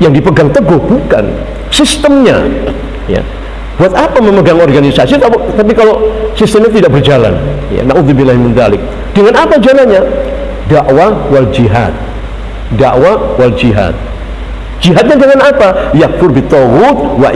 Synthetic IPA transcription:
jaŋdipəɡaŋt̪əɡʊhbuka̰n | sist̪əmɲa̰ | ja̰ | b̥uat̪apaməməɡaŋɔrɡanisasit̪at̪ap̬ikalosist̪əmɲat̪idaʔ̚bərd͡ʒala̰n | ja̰naʔuðubinlaɦimint̪alɪk̚ | d̥əŋanapad͡ʒalanɲa | daʔwawald͡ʒiɦa̰t̪̚ | daʔwawald͡ʒiɦa̰t̪̚ | d͡ʒiɦat̪̚ɲadəŋanapajak̚fʊrbit̪ɔwʊt̪̚wa

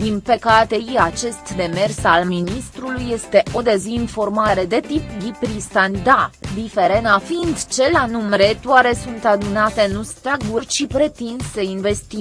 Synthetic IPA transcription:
d̪inpəkat̪e̞jiat͡ʃe̞st̪d̪e̞me̞rsalminist̪ɾulujːe̞st̪e̞ʔo̞d̪e̞zinfo̞rmaɾe̞d̪e̞t̪ipɡʲipɾist̪anʲd̪ad̪ife̞ɾe̞nafind̪t͡ʃe̞lanumɾe̞t̪uaɾe̞sunt̪ad̪unat̪e̞nust̪aɡurʲt͡ʃipɾe̞t̪inseinve̞st̪i

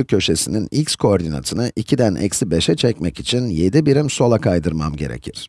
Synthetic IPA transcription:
ɯcʰːø̞ʃe̞sininicʲskʰooɾd̪ina̰t̪ʰɯnɯʔicʰid̪ænʔɛ̰csibeʃɛt͡ʃʰɛcmɛcit͡ʃʰinjed̪ibiɾimso̞lˠakʰajd̪ɯɾmamɟe̞ɾḛcʰiɾ̥

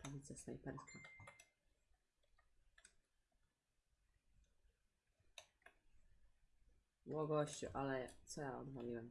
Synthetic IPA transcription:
p̪avʲit̪sɛsna̰jpɛɾskʰa | wɔɡɔɕt͡ɕṵʔalɛt̪sɔjaɔd̪valʲiwɛm

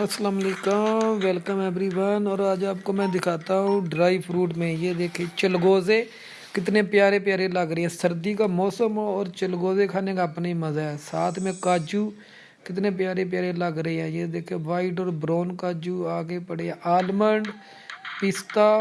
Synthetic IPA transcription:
əslaːmaːleːkəʋɛlkəmɛːbɾiːʋaːnɔːɾəd͡ʒaːp̚koːmɛ̃ːd̪ɪkʰaːt̪aːɦũːɖɾaːiʋpʰɾuːʈmẽːjeːd̪eːkʰeːt͡ʃəlɡoːzeː | kɪt̪nẽːpɪjaːɾeːpɪjaːɾeːləɡɾəeːɛ̃ːsəɾd̪iːkaːmɔːsəmːɔːɾt͡ʃəlɡoːzeːkʰaːneːkaːpnaːiːməzaːɛːsaːt̪ʰmẽːkaːd͡ʒuː | kɪt̪nẽːpɪjaːɾeːp̬ɪjaːɾeːləɡɾəeːɦɛ̃ːjeːd̪eːkʰeːʋaːiːʈ̬ɔːɾbɾoːnkaːd͡ʒuːaːɡeːpəɽeːʔaːlməɳɖ | pɪst̪aː

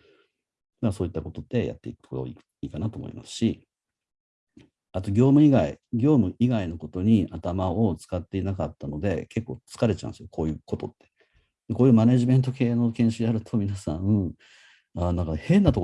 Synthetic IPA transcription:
aso̞ːit̪ːako̞t̪o̞t̪ːe̞ja̰t̪ːe̞ikɯ̥okoɾo̰ | iːkanat̪oːmo̰ḭma̰sɨ̥ɕi | at̪o̞ɡʲo̞ːmɯ̟iɡaiɡʲo̞ːmɯ̟ʔiɡaino̞ko̞t̪o̞ɲ̟iʔat̪amao̞t͡sɨ̥kat̪ːe̞inakat̪ːano̞d̪e̞ke̞kːoːt͡sɨ̥kaɾe̞t͡ɕã̰nesɨjokʰo̞ːjɯ̟ːko̞t̪o̞t̪ːe̥ | d̪̥eko̞ːjɯ̟ːmaneʑime̞nt̪̬o̞ke̞ːno̞kẽ̞ɰ̃ɕɨd̪eaɾɯ̟t̪ʰo̞mʲinasãɯ̃ | anãŋkahẽ̞nːat̪o̞k

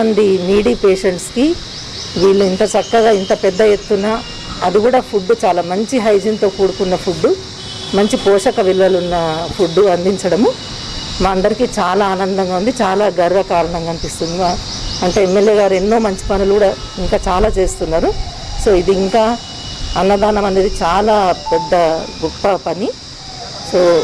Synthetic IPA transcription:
ɐnd̪iniːɽiːpe̞ːʂeɳʈski | ʋiːɭːuint̪ɐt͡ʃɐkːɐɡaːint̪ɐpɛd̪ːɐjet̪ːunːaː | ɐd̪ikuːɽaːpʰuɖːut͡ʃaːlaːmɐɲt͡ʃiɦɐjd͡ʒint̪o̞ːkuːɽukunːɐpʰuɖːu | mɐɲt͡ʃipɔːʂɐkɐʋilʋɐlunːɐpʰuɖːuɐnd̪iɲt͡ʃɐɽɐmu | maːɐnd̪ɐɾikit͡ʃaːlaːaːnɐnd̪ɐŋɡaːund̪it͡ʃaːlaːɡɐɾʋɐkaːɾɐɳɐŋɡaɐnipist̪und̪ia | ɐɳʈe̞ːemːe̞lje̞ːɡaːɾe̞nːo̞ːmɐɲt͡ʃi̥pɐnulukuːɽaː | iŋkaːt͡ʃaːlaːt͡ʃe̞ːst̪unːaːɾu | so̞ːid̪iːŋkaː | ɐnːɐd̪aːnɐmɐnd̪ɐd̪it͡ʃaːlaːpɛd̪ːɐɡɔpːɐpɐni | soː

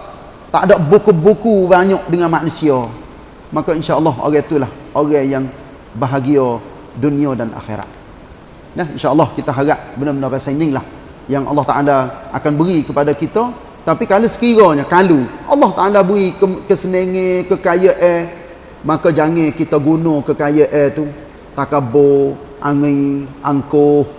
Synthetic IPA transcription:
t̪a̰ʔdɔʔbukubukubaɲɔʔdəŋanmaʔnusiɔ | makainʃaəlːɑɦo̰ɣɛt̪ulah | oɣɛjaŋ | baɦaɡiɔ | duniadanʔa̰xḛɾa̰t̪̚ | nahinʃaʔəlːɑhkit̪aɦaɡaʔbənəbənəvɛsanɪŋlah | jaŋʔɑ̰lːɑht̪aʔalaʔa̰kanbəɾikəpadakit̪a | t̪apikalusə̥kiɾɔɲakaluʔɑlːɑht̪aʔalabəɣikəkəsənəŋẽkəkajəʔɛ | makad͡ʒaŋekit̪aɡunokəkajəʔɛt̪u | t̪akabo | ʔaŋiʔaŋkʊh

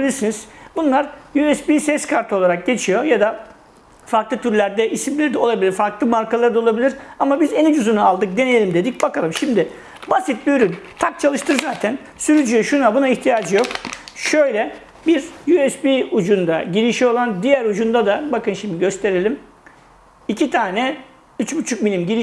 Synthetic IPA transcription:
ilʲiɾsiniz̥bunlˠaɾjuɛsbisɛskʰaɾt̪ʰo̞lˠaɾak̚ɟe̞t͡ʃʰijo̞jad̪a | faɾklˠɯt̪ʰyɾlʲæɾd̪ɛʔisimlʲeɾid̪ɛo̞lˠabilʲiɾfaɾklˠɯmaɾkalˠaɾɯd̪aolˠabilʲiɾamabizenid͡ʒuzunaalˠd̪ɯk̚d̪e̞nejelʲimd̪e̞d̪ic̚bakʰalˠɯmʃimd̪ɪ | basit̪̚biyɾynt̪ʰak̚t͡ʃʰalˠɯʃt̪ʰɯɾzaːt̪ʰæn | syɾyd͡ʒyjɛʃunabunaiçt̪ʰijaːd͡ʒɯjo̞kʃø̞jlʲɛ | biɾjyɛsbiud͡ʒund̪aɟiɾiʃio̞lˠand̪ijæɾud͡ʒund̪ad̪abakɯnʃimd̪iɟø̞st̪ʰe̞ɾelʲim | icʰit̪ʰaːnɛ | yt͡ʃbut͡ʃʰukmilʲimɟiɾi

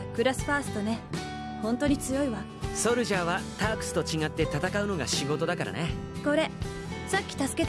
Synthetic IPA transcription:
kɯ̟ɾasɨ̥paːsɨ̥t̪o̞ne̞ | hõnt̪o̞ɲ̟it͡sɨjo̞iβa | so̞ɾɯ̟ʑaːβat̪aːkɯ̥sɨ̥t̪o̞t͡ɕiɡat̪ːe̞t̪at̪akaɯ̟no̞ɡaɕiɡo̞t̪o̞d̪akaɾa̰ne | ko̞ɾe̞ | sakʲːi̥t̪asɨ̥ke̞t̪

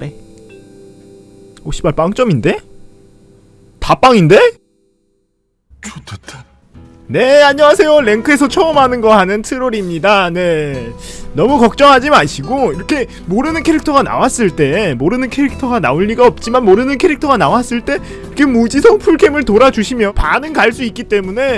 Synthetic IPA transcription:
e | oɕ͈ʰi̥baɭp͈aŋt͡ɕ͈ʌminde̞ | tap͈aŋinde̞ | t͡ɕotʰt | ne̞aɲʌwasʰe̞jole̞ŋkʰɯe̞sʰʌt͡ɕʰʌɯmɦanɯnɡʌɦanɯntʰɯɾoɾimɲidane̞ | nʌmukʌk̚t͡ɕ͈ʌŋɦad͡ʑimaɕʰiɡoiɾʌkʰe̞ | moɾɯnɯnkʰe̞ɾik̚tʰʌɡana̰was͈ɯɭt͈e̞moɾɯnɯnkʰe̞ɾik̚tʰʌɡanaoʎːiɡaʌp̚t͡ɕ͈imanmoɾɯnɯnkʰe̞ɾik̚tʰʌɡanawas͈ɯɭt͈e̞ | kʰe̞mud͡ʑisʰʌŋpʰuɭɡemɯɭtoɾad͡ʑuɕʰimjʌpanɯnkaɭs͈uik͈it͈e̞mune̞

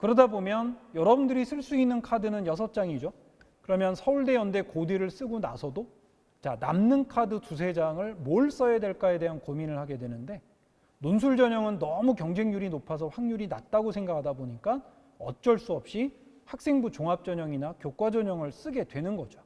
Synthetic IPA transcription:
kɯɾʌdabomjʌnjʌɾʌbundɯɾisʰɯɭs͈uinːɯnkʰadɯnɯnjʌs̬ʰʌt͡ɕ͈aŋid͡ʑo | kɯɾʌmjʌnsʰʌuɭde̞jʌnde̞kodeɾɯɭs͈ɯɡona̰sʰʌdo | t͡ɕana̰mnɯnkʰadɯtus̬ʰe̞d͡ʑaŋɯɭmoɭs͈ʌjedwe̞ɭk͈ae̞de̞ɦankominɯɭhaɡe̞dwe̞nɯnde̞ | nonsʰuɭd͡ʑʌɲʌŋɯnːʌmukjʌŋd͡ʑe̞ŋɲuɾinopʰasʰʌɸaŋɲuɾina̰t̚t͈aɡosʰe̞ŋɡakʰadaboɲik͈a | ʌ̰t̚t͡ɕ͈ʌɭs͈uʌp̚ɕ͈ihak̚s͈e̞ŋbut͡ɕoŋɦap̚t͡ɕ͈ʌɲʌŋinakjok͈wad͡ʑʌɲʌŋɯɭs͈ɯɡe̞dwe̞nɯnɡʌd͡ʑo̥

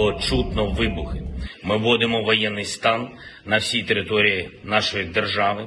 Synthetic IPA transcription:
ɔt͡ʃut̪nɔʋɪbʊxɪmɪʋɔd̪ɪmɔʋɔjɛnːɪjst̪ɑnː | ɐwsʲijt̪eɾɪt̪ɔɾʲijinɑʃɔjid̪e̞rʒɑʋɪ

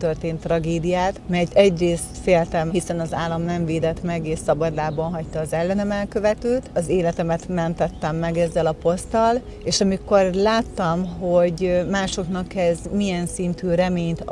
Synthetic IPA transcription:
t̪ørt̪eːnt̪ːrɒɡeːd̪ijaːt̪mɛɟ̪ɛɟreːst̪feːlt̪ɛmɦisɛnɒzaːlːɒmnɛɱveːd̪ɛt̪mɛɡeːʃsɒbɒd̪laːbɒnɦɒct̪ɒːzɛlːɛnɛmɛlkøvɛt̪ylt̪ɒzeːlɛt̪ɛmɛt̪mɛnt̪ɛt̪ːɛmːɛɡɛzːɛlɒpo̞st̪ɒl | eːʃɒmiko̞rlaːt̪ːɒmɦo̞ɟmaːʃo̞knɒkɛzmijɛnsint̪yːɾɛmeːɲt̪

